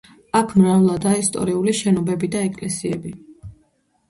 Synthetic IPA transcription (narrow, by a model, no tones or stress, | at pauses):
akʰmɾavlˠad̪aːist̪ʼɔ̰ɾiuliʃɛnɔbɛbid̪aɛkʼlɛsiɛbi